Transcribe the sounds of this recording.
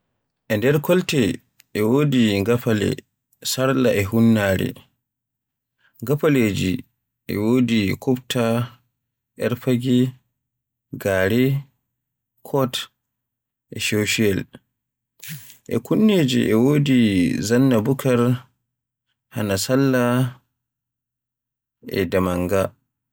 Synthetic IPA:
ʔɛndɛɾkɔltɛ | ʔɛwoːdiŋɡafalɛ̰ | saɾlaʔɛɦunːaːɾɛ̰ | ŋɡafaleːd͡ʒi | ʔɛ̰woːdikʰɔpta | ʔɛɾfaɡɛ | ɡaːɾɛ | kʰɔt | ʔɛʃɛwʃiɛl | ʔɛ̰kunːeːd͡ʒḭʔɛwoːdizanːabukaɾ | hanasalːa | ʔɛ̰damaŋɡa

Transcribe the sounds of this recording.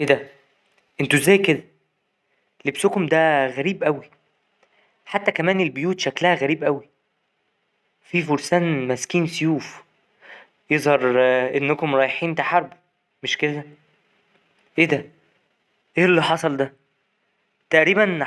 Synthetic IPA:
ʔeːd̪æ | ʔent̪uezːæːjked̪æ | lebsokomd̪æɣæɾiːbʔæwi | ħat̪ːækæmæːnelbojuːt̪ʃæklæhæɣæɾiːbʔæwi | fifoɾsæːnmæskiːnsjuːf | jezˤhɑɾˤʔenːækomɾˤɑjeħiːnt̪aħɑɾˤbo | meʃked̪æ | ʔeːd̪æ | ʔeːlːiħɑsˤɑld̪æ | t̪æʔɾiːbæn

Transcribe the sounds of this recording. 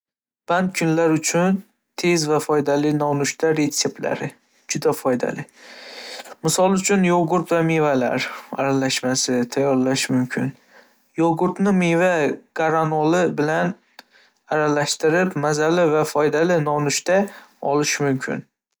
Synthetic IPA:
b̥andt̪̚kʰʊnlaɾʊt͡ʃʰʊn | t̪ʰe̞zvafɒjd̪alɪnɒnʊʃt̪ʰaɾe̞t̪se̞p̚t̪la̰ɾɪ | d͡ʒʊd̪afɒjd̪a̰lɪ | mɪsɒlˠʊt͡ʃʰʊnjoɡʊɾt̪vamevala̰ɾa̰ɾalaʃmasɪt̪ʰajːɒɾlaʃmʊmkʲʰɪn | joɡʊɾt̪nɪmevaɡ̥aɾanolˠɪbɪlan | aɾalaʃt̪ɪɾɪpmazalɪvafɒjd̪alɪnɒnʊʃt̪aɒlɪʃmʊmkʲʰɪ̰n

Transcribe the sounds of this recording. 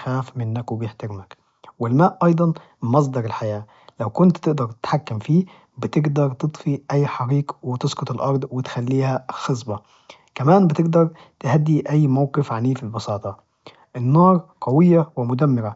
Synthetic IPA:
xæːfmɪnːækwɪbjɪħt̪ɪɾmæk | wɪlmæːʔʔɑjd̪ˤɑn | mɑs̬ˤd̪ɑɾˤɪlħajæː | læwkʊnt̪t̪ɪʔd̪ɑɾˤt̪ɪ̥t̪ħakːamfiː | bɪt̪ɪɡd̪ɑɾˤt̪ɨt̪ˤfiʔæjːħɑɾiːqwɪt̪esqʊt̪ˤelʔɑɾˤd̪ˤwɪt̪xælːiːhæxɑsˤbɑ | kæmæːnbɪt̪ɪɡd̪ɑɾˤ | t̪ɪhæd̪ːiʔæjːmawqɪfʕaniːfilbɑsɑːt̪ˤɑ | ʔɪnːɑːɾˤqɑwɪjːawɪmʊd̪æmːɪɾæ

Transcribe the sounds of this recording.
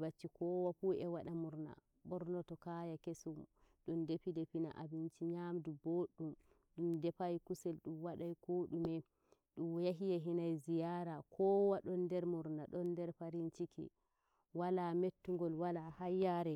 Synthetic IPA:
bat͡ʃːikɔwapuɛwaɗamuɾna̰ | bɔɾnɔtɔkajakesum | ɗɔndepidepina̰ʔa̰bint͡ʃiɲamduboɗːum | ɗumdɛpajkusɛlɗumwaɗajkoɗumɛ | ɗumjaɦijaɦinajzijaɾakʰɔwaɗɔndɛɾmuɾnaɗɔndɛɾpaɾint͡ʃikʰɛ̰ | walametːuŋɡɔlwalahajːaɾɛ

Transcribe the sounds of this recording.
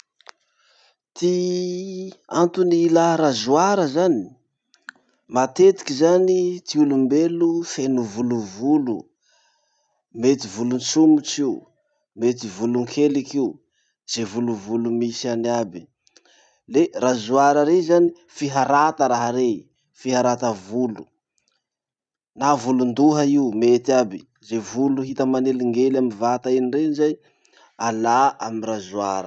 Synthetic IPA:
t̪i | ant̪unilaɾazuaɾəzani̥ | mat̪et̪i̥kizanit̪iulumbelufenuvuluvulu | met̪ivulunt͡sumut͡ʃiu | met̪ivuluŋkʰelikiu | z̥evuluvulumisianabi̥ | lerazuaɾəɾezani | fiɦaɾat̪əɾaɦaɾe | fiɦaɾat̪əvulu | navulund̪uɦaiumet̪iabi | zevuluɦit̪əmaneliŋɡelamivat̪ainireinzaj | alaamiɾazuaɾə

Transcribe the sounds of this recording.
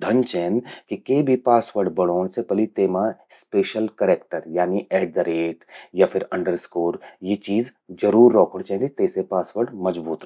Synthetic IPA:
d̪ʱɐnt͡ʃɛːnkikeːbʱipaːsʋəɾɖbɐɽ̤̃oːɽ̃sepɐlit̪eːmaspeːʃəlkəɾeːk̚ʈəɾjaːniʔɛːɖ̚d̪əɾeːʈjapʰɪɾɐ̃ɳɖəɾskoːɾjet͡ʃiːzd͡ʒɐɾuːɾːɔːkəɽt͡ʃɛ̃ːnit̪eːsepaːsʋəɾɖmɐd͡ʒbuːt̪ɾ

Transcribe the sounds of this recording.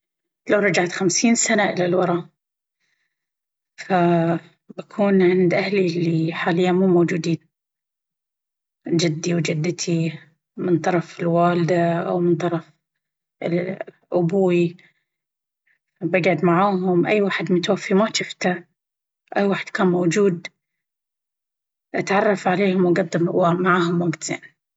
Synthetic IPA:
lawɾˤɑd͡ʒaʕt̪xamsiːnsanaʔɪlalwɑɾˤɑ | fa | bakʰuːnʕɪnd̪ʔahlilːiħaːlɪjːamuːmowːd͡ʒuːd̪iːn | d͡ʒɪd̪ːiwd͡ʒɪd̪ːɪt̪ʰi | mɪnt̪ˤɑɾˤɑfɪlwaːld̪aʔa̰wmɪnt̪ˤɑɾˤɑf | ɪ̰l | ʔʊbuːi | baɡʕʊd̪maʕaːɦʊmʔajːwaːħɪd̪mʊt̪wafːimaʃɪft̪a | ʔajːwaːħɪd̪̥kaːnmowd͡ʒuːd̪ | ʔat̪ʕɑrˤːɑfʕaleːhʊmwɡɑd̪ˤːɪwmaʕaːɦʊmwaɡt̪z̥ḛːn

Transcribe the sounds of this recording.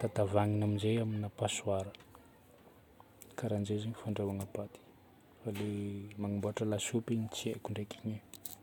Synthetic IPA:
t̪at̪avaŋinaminzejaminapasuaɾə̥ | kaɾand͡ʒezeɲifaɳɖ͡ʐawaŋəpat̪i̥ | falemaŋamboaʈ͡ʂəlasupiɲit͡siekuɳɖ͡ʐekiɲe

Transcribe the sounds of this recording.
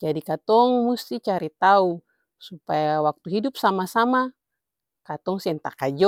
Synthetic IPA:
d͡ʒadikat̪ɔŋmust̪it͡ʃaɾit̪au | supajawak̚t̪uɦidup̚samasama | kat̪ɔŋsɛnt̪akad͡ʒɔ

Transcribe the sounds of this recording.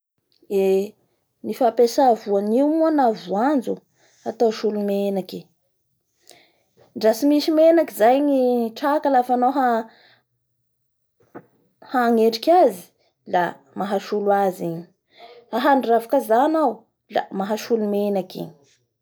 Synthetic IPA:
e | nifapesavuaniumuanavuand͡zu | at̪oʃulumenaki | ɳɖ͡ʐasimiʃimenakizajŋiʈ͡ʂakalafanoɦa | haŋeɖ͡ʐikʲazi̥ | la | maɦaʃulwaziɲi̥ | aɦaɳravakazanaw | la̰maɦaʃulumenakḭɲ̥

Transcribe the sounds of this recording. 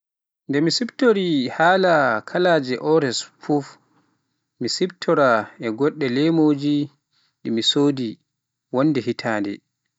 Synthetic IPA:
ndɛmisibtoɾihaːlakʰalaːd͡ʒɛʔɔɾɛsfuf | misibtʰɔɾaɛɡɔɗːɛlɛmoːd͡ʒi | ɗimisoːdi | wɔnːdɛɦitʰaːndɛ̰

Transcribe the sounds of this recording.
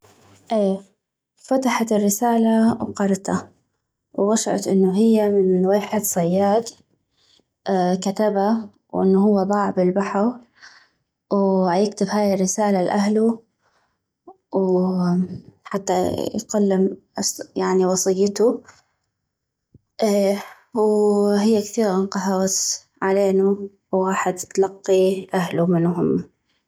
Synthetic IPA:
ʔeː | fat̪aħat̪ɪrːɪsaːlawqɑɾˤt̪ʰa | wwaʃʕɑ̰t̪ʔɪnːʊɦɪjːamɪnweːħɪd̪sˤɑjːaːt̪ | kat̪aba | wʔɪ̰nːʊhʊwːab̪ˤɑːʕbɪlbaħaw | wajɪkt̪ɪbhaːjɪrːɪsaːlalʔahlu | w | ħat̪ːajqʊlːɪmʔsjaʕniwɑsˤɨjːɪt̪u | ʔeː | whɪjːakθiːɣɑnqɑɦɑwat̪ | ʕaleːnu | wɣɑːħd̪t̪lɑqːiʔahlumɪnhʊm

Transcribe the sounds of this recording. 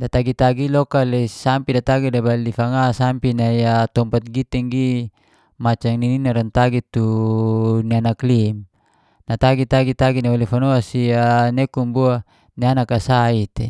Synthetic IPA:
dat̪aɡit̪aɡilɔkalesampidat̪aɡidabalifaŋasampinajat̪ɔmpat̪̚ɡit̪ɛŋɡi | mat͡ʃaŋnininaɾant̪aɡit̪u | nianaklim | nat̪aɡit̪aɡit̪aɡinaalifanoasianekumbua | nianakasait̪e

